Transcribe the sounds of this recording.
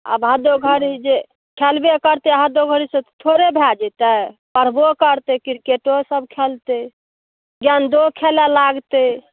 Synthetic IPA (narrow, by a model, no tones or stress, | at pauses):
a̰bɦad̪oɡʱəɾid͡ʒe | kʰelbekəɾt̪eɦad̪oɡʱəɾisət̪ʰoɾebʱjad͡ʒɛt̪ɛpəɾbokəɾt̪ekiɾkeʈosəb̚kʰelt̪e | ɡjand̪okʰelalaɡt̪e